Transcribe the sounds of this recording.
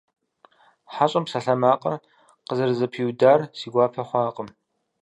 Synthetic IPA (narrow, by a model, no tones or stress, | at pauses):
ħaɕʼɐmpsɐɬɐmaːqʼɐ | qəzɨrzɐpʰiwdaːrsiːɡʷaːpʰɐχʷɑːqʼəm